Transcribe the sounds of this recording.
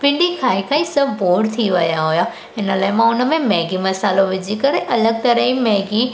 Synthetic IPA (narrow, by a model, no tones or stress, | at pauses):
pɪ̃ɳɖikʰaːikʰãĩsɐbboːɽt̪ʰiʋɐjaɦʊja | ɪnəlaːɪmãʊnə̆mẽmɛːɡimɐsaːloʋɪd͡ʑikɐɾeʔɐləɡ̚t̪ɐɾəɦimɛːɡi